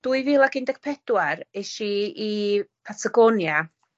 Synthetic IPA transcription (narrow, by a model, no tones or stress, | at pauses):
d̥uɨvilˠaɡɪndɛkpʰɛd̥waɾeʃiipʰatʰaɡɔnja